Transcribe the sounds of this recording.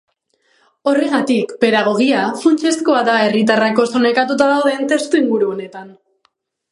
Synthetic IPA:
o̞re̞ɣat̪ikpe̞ðaɣ̞o̞ɣ̞iafunt͡ʃe̞sko̞aðae̞rit̪arako̞so̞nekat̪ut̪að̞awð̞e̞nt̪e̞st̪uiŋɡuɾuone̞t̪an

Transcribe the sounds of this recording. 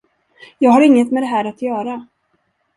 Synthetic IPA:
jɑːɡɦaɾɪŋːət̪mɛd̪ɛɦæːɾat̪jœːɾa

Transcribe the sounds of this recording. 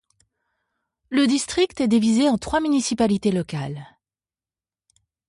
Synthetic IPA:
ləd̪ist̪χik̚t̪ɛd̪ivizeɑ̃t̪χwamynisipalit̪elɔkal

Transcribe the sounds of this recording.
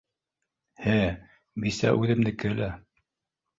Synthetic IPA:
hɘ | bisæ̰ʔʉðɘ̆md̪ɘkɘ̆læ

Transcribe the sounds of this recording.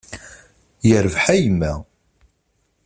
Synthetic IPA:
jəɾvħæjmːæ

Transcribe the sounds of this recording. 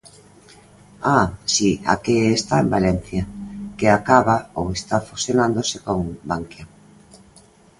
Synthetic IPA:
asia̰keːst̪aembalɛn̟θjakeakaβaowest̪afusjonand̪osekoŋbaŋkja

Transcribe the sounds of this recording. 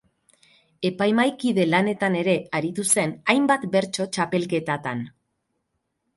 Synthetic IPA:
e̞pajmajkiðe̞lane̞t̪ane̞ɾe̞aɾit̪use̞najmbat̪be̞ɾt͡ʃo̞t͡ʃape̞lke̞t̪at̪an

